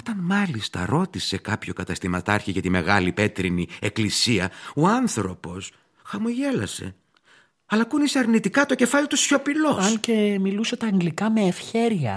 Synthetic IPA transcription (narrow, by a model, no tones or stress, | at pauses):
ot̪ɐnmɐlist̪ɐ̰ɾo̞t̪ise̞kɐpço̞kɐt̪ɐst̪imɐt̪ɐɾçiʝɐt̪ime̞ɣɐlipe̞t̪ɾinie̞klisiɐoɐnθɾo̞po̞s | xɐmoʝe̞lɐ̰se̞̰ | ɐlɐkuniseɐɾnit̪ikɐt̪o̞ce̞fɐlit̪usço̞pilo̞sɐlcemiluset̪ɐːŋɡlikɐmeːfçe̞ɾiɐ̰